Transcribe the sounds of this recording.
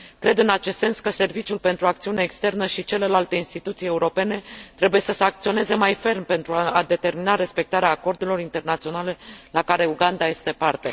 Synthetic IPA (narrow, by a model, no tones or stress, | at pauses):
kɾe̞d̪ɨnat͡ʃest̪se̞nskəse̞rvit͡ʃiulpe̞nt̪ɾuak̚t̪siuneːkst̪e̞rnəʃit͡ʃe̞le̞lalt̪e̞inst̪it̪ut̪sije̞uɾo̞pe̞ne̞t̪ɾe̞buje̞səseakt̪sio̞ne̞ze̞majfe̞rmpe̞nt̪ɾuaad̪e̞t̪e̞rminaɾe̞spe̞k̚t̪aɾeaːko̞rd̪e̞lo̞ɾint̪e̞rnat̪sio̞nale̞lakaɾe̞uɡand̪aje̞st̪e̞part̪e̞